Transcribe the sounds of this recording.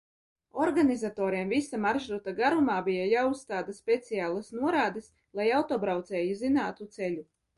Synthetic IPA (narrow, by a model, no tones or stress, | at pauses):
ɔɾɡanʲizat̪ɔːɾiɛmvisamaɾʒɾut̪aɡaɾumaːbijajaːusst̪aːd̪aspʲet̪sijaːlˠasnuɔɾaːd̪ɨs | lˠajawt̪ɔːbɾawt̪sɛːjuzinaːt̪ut̪selʲu